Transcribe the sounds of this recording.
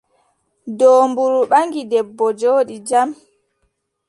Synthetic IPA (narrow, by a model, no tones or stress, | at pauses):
doːmbuɾuɓaŋɡidɛbːɔd͡ʒoːɗid͡ʒam